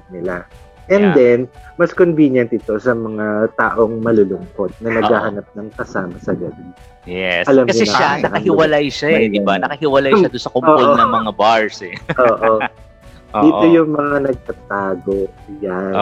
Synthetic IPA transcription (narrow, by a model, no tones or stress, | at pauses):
nɪla | ʔɛnd̪ɛnmɐskonviːnjɐnt̪̚ɪt̪o̞sɐmɐŋat̪a̰ːʔo̞ŋmɐlolʊŋko̞t̪̚nɐnɐɡaːhɐnap̚nɐŋkɐsaːmɐsɐɡɐbi | jɛsɐlɐmkɐɲʊɛnɐanɐkɐhɪwɐlajʃaɡ̪iɐbaɐkɐhɪwɐlajɐd̪ʊnsɐkʊpːodonɐŋmɐŋabaɹsɛʔoːʔo̞ | iːt̪o̞jʊŋmɐŋanɐɡ̚t̪ɐt̪aːɡo̞ja